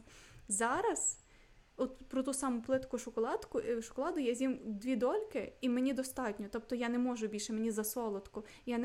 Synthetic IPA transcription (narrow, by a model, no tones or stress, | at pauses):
zɑɾɐz̥ | ɔt̪pɾɔt̪usɑmʊplˠɪt̪kʊʃʊkɔlˠɑt̪kʊʃʊ̥kɔlˠɑd̪ʊjɛzʲjimd̪ʋʲid̪ɔlʲkɪimenʲid̪ɔst̪ɑtʲnʲɔt̪ɔp̚t̪ɔjanɛmɔʒʊbʲilʲʃɛmenʲizɐsɔlˠɔt̪kʊ | jan